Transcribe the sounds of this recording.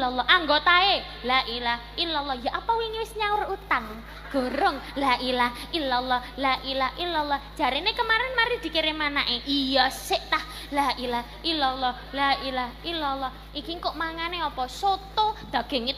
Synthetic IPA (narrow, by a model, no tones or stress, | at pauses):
lɔlːɔhʔaŋɡot̪ae | lailah | ilɔlːɔhjaʔapawiŋiwɪsɲawʊrut̪an | ɡ̥o̤ɾɔŋlaʔilahʔilɔlːɔhlaʔilahʔilɔlːɔhd̥ʒ̥a̤ɾenekəmaɾɛnmaɾid̪̥i̤keɾemanaʔeʔijɔsɪʔt̪ah | lailahʔilɔlːɔh | lailahilɔlːɔh | ikiŋkoʔmaŋaneɔpɔsot̪od̪̥a̤ɡ̥e̤ŋi